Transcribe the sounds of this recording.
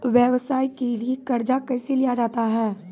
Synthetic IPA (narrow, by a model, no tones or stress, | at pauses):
ʋjəʋsaːikeliekɐɾd͡ʒakɛːselijad͡ʒaːt̪aɦɛː